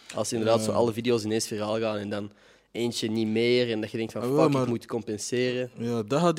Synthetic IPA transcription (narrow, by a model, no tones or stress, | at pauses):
ɑ̰lˠsəɪndərdaːtsoːʔɑ̰ləvidioːsɪnensfəraːlˠɣaːnɛndɑn | eːnt͡ʃənimeːrɛndɑtxədɛŋk̚tfɑnaɪkmutkɔmpɛnseːrəjadɑɦɑt